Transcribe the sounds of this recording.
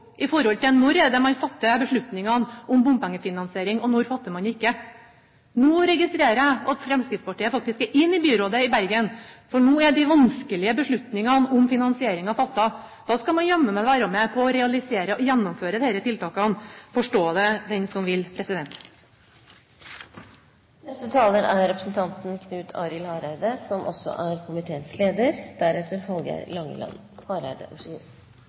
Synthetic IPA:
ʔɪfɔɾhɔlt̪ɪnɔɾɛd̪əmɑnfɑt̪ːəbəʂɭʉt̪nɪŋɑnʊmbʊmpɛŋːəfɪnɑnsɪeːɾɪŋɔnɔɾfɑt̪ːəmɑnɪkːə | noːɾɛɡɪst̪ɾeːɾæɑt̪fɾɛmst̪iːd̪spɑʈiːəfɑk̚t̪ɪskɛɾʔɪnːɪbyːɾoːd̪əɪbæɾɡənfɔɳuːɛɖɪʋɑnskəlɪəbəʂɭʉt̪nɪŋɑnʊmfɪnɑnsɪeːɾɪŋɑfɑt̪ːɑ | d̪̥ɑːskɑlmɑnjœmːəmɛʋæɾəmɛpʰɔːɾɛɑlɪseːɾəʔɔjɛnːɔmføːɾəd̪eːɾət̪ʰɪlt̪ɑːkəɑnfɔʂʈoːd̪ɛd̪ɛnsɔmʋɪlpʰɾɛsɪd̪ɛnt̪ | nɛst̪ət̪ʰɑːləɾæɾɾɛpɾəsn̩t̪ʰɑnt̪n̩kʰnʉːt̪ʰɑ̰ːɾɪlhɑːɾæɾd̪əsɔmʔɔ̰sːɔ̰ʔæɾkʰʊmɪt̪ʰeːnsleːd̪əɾd̪̥æɾɛt̪əɾhɑlɡæ̰ɾlɑŋːə̰lɑ̰n | hɑɾæ̰ɾd̪ə̰ʔʂ

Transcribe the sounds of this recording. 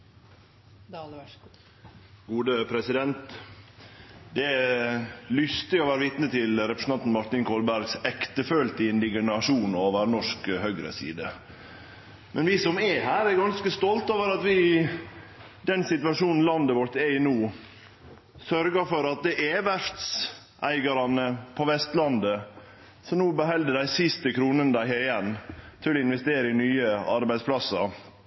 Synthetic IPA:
ɡ̥uːd̪əpʰɾɛsɪd̪ɛnt̪ | d̪ɛ | lʏst̪ɪɔːʋæːɾəʋɪt̪nət̪ʰɪlɾɛpɾəsɑnt̪n̩mɑɾt̪ɪnkʰɔlbæɾɡsɛkt̪əfølt̪ɪɪnd̪ɪɡənɑʂuːnoːʋəɾnɔʂkhœɡɾə̰sḭːd̪ə | mɛnʋisɔmɛhæːɾæɾɡɑnskəst̪ɔlt̪oːʋəɾɑt̪ʋɪ | d̪ɛnsɪt̪ʉʋɑʂuːnn̩lɑnd̪əʋɔɾt̪ɛɪnuː | sœɾɡəɾfɔɾɑt̪̚d̪ɛʔɛʋæft̪s | ʔæɪɡɑɾɑnəpʰɔʋɛst̪lɑnd̪ə | sɔnuːbəhɛld̪əd̪æɪsɪst̪əkʰɾuːnənəd̪æɪhɛɪjɛnːt̪ʰɪlɔɪnʋɛst̪eːɾəɪnyːəɑɾbæɪd̪spʰlɑsːɑɾ

